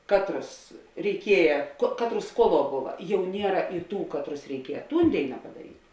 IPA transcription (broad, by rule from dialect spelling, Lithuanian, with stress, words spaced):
ˈkɑːtˌrʊs rʲɛɪˈkʲiɛjɛ koː ˈkɑːtˌrʊs ˈskuɔˌlˠuɔ ˈbʊʋɐ ˈjɛʊ ˈnʲiɛrɐ ɪ ˈtuː ˈkɑːtˌrʊs rʲɛɪˈkʲiɛjɛ ˈtuːn ˈdʲeːɪnɐ pɐdɐˈrʲiːtʲ